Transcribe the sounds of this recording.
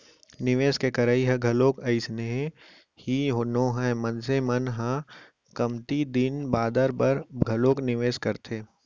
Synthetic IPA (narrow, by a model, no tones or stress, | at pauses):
nɪʋeːskekɐɾaːiɦɐ̃ɡʱɐloːkɐɪsneɦẽ | hiɦonõːɦãmənsemɐnɦãː | kɐmt̪id̪ɪnbaːd̪əɾbɐɾɡʱɐloːknɪʋeːskɐɾt̪ʰeː